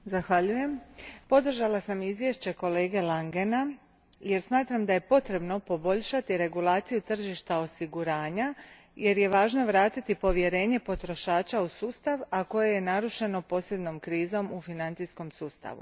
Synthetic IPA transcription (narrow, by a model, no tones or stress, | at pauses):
zaxʋaʎuje̞mpo̞d̪r̩ʒalasamizʋjeʃt͡ɕe̞ko̞le̞ːɡe̞laŋɡe̞na | je̞ɾsmaːt̪ɾamd̪aje̞po̞t̪ɾe̞bno̞po̞bo̞ʎʃat̪iɾe̞ɡulˠaːt̪sijut̪r̩ʒiʃt̪ao̞siɡuɾaːɲa | je̞ɾje̞ʋaːʒno̞ʋɾaːt̪it̪ipo̞ʋje̞ɾe̞ːɲe̞po̞t̪ɾo̞ʃaːt͡ʃausuːst̪aʋako̞je̞je̞naɾuʃe̞no̞po̞ːsje̞d̪no̞mkɾiːzo̞mufinant̪sisko̞msuːst̪a̰ʋṵ